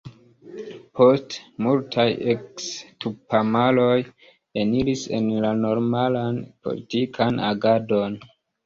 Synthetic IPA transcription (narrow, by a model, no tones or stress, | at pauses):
pʰo̞stmultʰajekstupamalo̞j | enilise̞̰nlano̞ɾmalanpo̰lḭtikʰana̰ɡado̞n